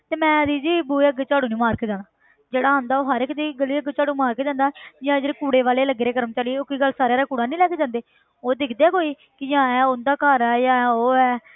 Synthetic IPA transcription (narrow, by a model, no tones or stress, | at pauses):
t̪eːmɛ̃ːd̪iːd͡ʒiːbuːəɡt͡ʃaːɽuːnĩːmaːɾkeːd͡ʒãːnaː | d͡ʒeːɽaːɦə̃ːnd̪aːoːɦəɾekd̪iːɡəliːəɡt͡ʃaːɽũːmaːɾkeːd͡ʒãːnd̪aːjãːd͡ʒeːɽeːkuːɽeːʋaːleːləɡːeɾeːkəɾəmt͡ʃaliːoːkiːɡəlsaːɾeaːɾaːkuːɽaːnĩːlɛːkeːd͡ʒãːnd̪eː | oːd̪ɪkʰd̪eːkoːiː | kɪjãːɛːʊnd̪aːkaːɾɛːjãːoːɛː